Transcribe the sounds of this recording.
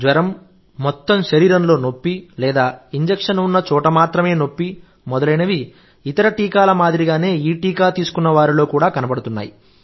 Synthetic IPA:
d͡ʒ̪ʋɐɾɐmː | ɔt̪ːɐmʃɐɾiːɾɐnlo̞ːno̞pːilɛːd̪aːiɲd͡ʒekʂɐnunːɐt͡ʃɔːʈɐmaːt̪ɾɐme̞ːno̞pːi | mɔd̪ɐlɐjnɐʋi | it̪ɐɾɐʈiːkaːlɐmaːd̪ɾiɡaːne̞ːiːʈiːkaːt̪iːsu̥kunːɐʋaːɾilo̞ːkuːɽaːkɐnɐpɐɽut̪unːa̰ːji

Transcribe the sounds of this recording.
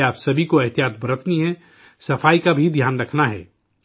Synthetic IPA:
aːpsɐbʱikoɐɦt̪ijaːt̪̚bɾət̪ʰniɦɛ̃ | sɐfʰaːikabʱid̪ʱjaːnɾɐkʰnaɦɛ̰ː

